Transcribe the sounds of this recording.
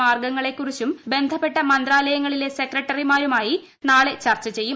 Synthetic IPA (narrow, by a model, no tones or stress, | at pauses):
aːrɡɐŋːɐɭe̞kːurit͡ɕːumbe̞nd̪ʱɐpːe̞ʈːɐmɐnd̪raːlɐjɐŋːɐɭile̞se̞krɐʈːɐrimaːɾumaːji | naːɭe̞t͡ɕɐrt͡ɕːɐt͡ɕe̞jːu